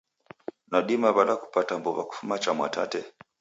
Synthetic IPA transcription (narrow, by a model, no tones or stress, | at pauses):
naɗimaβalaku̥patambɔβaku̥fumat͡ʃamwa̰tʰatɛ